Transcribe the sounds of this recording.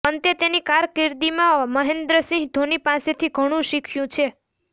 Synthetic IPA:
ənt̪et̪enikaɾkɪɾd̪imãməɦend̪ɾəsĩɦɡd̪ʱonipãset̪ʰiɡʱəɽ̃ũʃikʰjũt͡ʃʰe

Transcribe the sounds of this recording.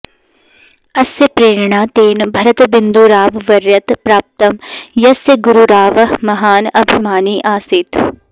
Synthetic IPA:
ɐsjəpɾeːɾɳaːt̪eːnbʱɐɾət̪bɪnd̪uːɾaːʋʋɐɾjɐt̪pɾaːp̚t̪ɐmjɐsjəɡʊɾuɾaːʋɦmɐɦaːnɐbʱimaːniːʔaːsɪt̪

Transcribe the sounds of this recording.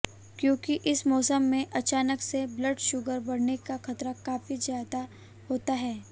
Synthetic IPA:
kjõːkiʔɪsmɔːsəmːẽʔɐt͡ʃaːnəksebləɖʃʊɡəɾbɐɽnekaxɐt̪ɾakaːfizjaːd̪a | hoːt̪aɦɛː

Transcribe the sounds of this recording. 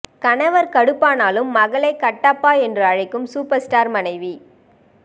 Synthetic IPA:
kɐnɐʋɐɾkɐɽɯpːaːnaːlɯmːɐɣɐɭɐɪkːɐʈːaːpːaːɛndrɯɐɻɐɪkːɯmsuːpɐɾsʈaːɾmɐnɐɪʋi

